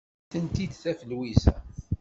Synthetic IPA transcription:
θənt̪id̪θæfəlwisæ̰

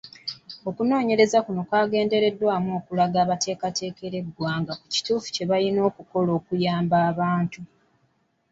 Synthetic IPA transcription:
o̞kuno̞ːɲe̞ɾe̞zakuno̞kwaːɡe̞ːnde̞ɾe̞dːwaːmo̞ːkulaɡaːβate̞ːkate̞ːke̞ɾe̞ɡwaːŋɡaku̥ci̥tuːfu̥ce̞βalino̞ːkuko̞lo̞ːkujaːmbaːβaːntu

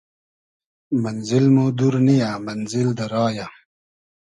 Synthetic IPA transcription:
mɐnzɪlmod̪uɾnijamɐnzild̪əɾɑːja

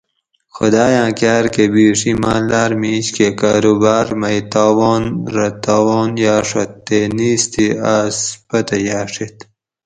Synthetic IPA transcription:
xʊd̪aːjãːkaːɾkebiːʂimãːlaːɾmiːt͡ɕkekaːɾubaːɾmɐjt̪aːwoːnɾɐt̪aːwoːnjaːʂot̪ːeːniːst̪ʰiaspɐt̪ɐjaːʂit̪

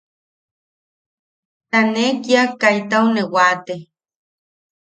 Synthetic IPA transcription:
t̪anekiakːajt̪awnewat̪e

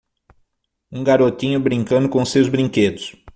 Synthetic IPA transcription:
ũɡaɾot̪ĩɲʊbɾĩŋkɐ̃nd̪ʊkõʊsewzbɾĩŋked̪ʊs

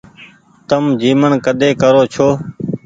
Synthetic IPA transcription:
t̪əmd͡ʒiːməɳkəɗ̪ʱeːkəɾoːt͡ʃʰoː

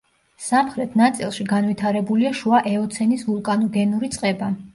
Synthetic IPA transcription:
samχɾɛt̪ʰnat̪sʼilˠʃiɡanvit̪ʰaɾɛbuliaʃuaʔɛɔt̪sʰɛnisvulˠkʼanɔɡɛnuɾit̪sʼqʼɛba

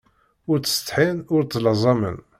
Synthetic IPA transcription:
ʊɾt͡sːə̥st̪ˤħinʊɾt͡s̪ːlzˤɑmə̰n

